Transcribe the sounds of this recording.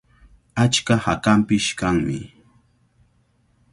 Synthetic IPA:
at͡ʃkahakampɪʃkaŋmɪ̰

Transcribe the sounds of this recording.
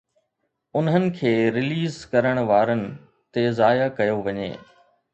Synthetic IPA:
ʊnɦənɪ̆kʰeːɾɪliːzkɐɾəɽ̃ʋaːɾənɪ̆ | t̪ezaːjakɐjoʋɐɲḛː

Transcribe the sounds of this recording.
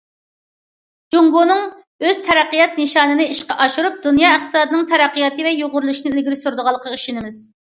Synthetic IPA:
d͡ʒoŋɡonɨŋ | øz̥t̪ʰɛɾæqːijɑt̪̚nɨʃɑːnɨnɨiʃqɑʔɑʃuɾup̚d̪unjɑːɪχt̪ɨ̥sɑːd̪ɨnɨŋt̪ʰɛɾæqːəjɑt̪ɨvɛjoʁʊɾulˠuʃinɪlɪɡʲɪɾɪsuɾd̪əʁɑlˠːəqʰɑiʃinɪmɪz̥

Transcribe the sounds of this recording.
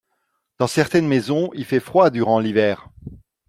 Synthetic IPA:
d̪̥ɑ̃sɛʁt̪ɛnmezɔ̃ilfɛfχwad̪yʁɑ̃livɛːʁ

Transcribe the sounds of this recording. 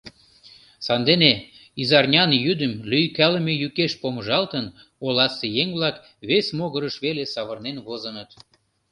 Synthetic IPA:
sɑnd̪ene | izɑrnʲɑnjyd̪əmlyjkæləmejykeʃpoməʒɑlt̪ən | olɑsejeŋʲβlɑk | βesmoɣəɾəʃβelesɑβərnenβozənət̪

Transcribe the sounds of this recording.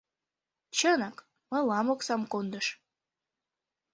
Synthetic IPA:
t͡ɕənɑk | məlɑmoksɑmkond̪əʃ

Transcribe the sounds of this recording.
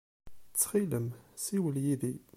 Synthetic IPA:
t͡sːχiləmsiwəljiði

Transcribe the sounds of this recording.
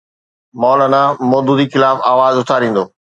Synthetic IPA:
mɔːlaːnamɔːd̪uːd̪ixɪlaːfaːʋaːzʊt̪ʰaːɾĩːn̆d̪oː

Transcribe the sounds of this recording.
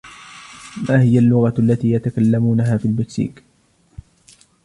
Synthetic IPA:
maːhɪjalːʊɣalːat̪iːjat̪akalːamuːnaɦaːfiːlbɪt̪sḭːk

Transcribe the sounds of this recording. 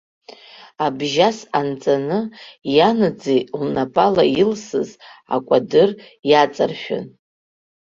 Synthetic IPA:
abʒasant͡sʼanɨjanɨd͡zelnapʼalailsɨza̰kʷʼadɨr | jat͡sʼarʃᶣʊ̰n

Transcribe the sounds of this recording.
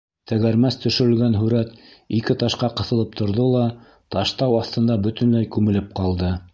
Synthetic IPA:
t̪æɣæɾmæst̪ɵ̆ʃɘ̆ɾɘ̆lɡænɦʉɾæt̪ikɘt̪ɑʃqɑqɤ̆θɤ̆lˠɤp̚t̪ʰŏɾðolˠɑ | t̪ɑʃt̪ɑwɑθt̪ɤ̆nd̪ɑbɵ̆t̪ɵ̆nlæjkʉmɘ̆lɘp̚qɑlˠd̪ɤ

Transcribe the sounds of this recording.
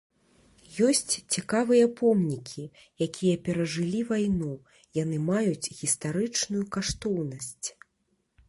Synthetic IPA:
jɔsʲt͡sʲt͡sʲikavɨjɐpɔmnʲikʲʰi | jakʲʰijɐpʲɛɾɐʐɨlʲivajnu | jan̪ɨmajut͡sʲɣʲist̪aɾɨt͡ʂnujukaʂt̪ɔwnɐsʲt͡sʲ

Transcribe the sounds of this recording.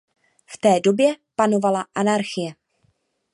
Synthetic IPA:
ft̪ɛːdo̞bjɛpano̞valaʔanaɾxɪjɛ

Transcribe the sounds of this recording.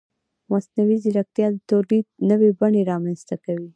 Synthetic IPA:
masnawiziɾak̚t̪jɑd̪ət̪oɾlid̪̚nəwebaɳeɾɑmanst̪akawi

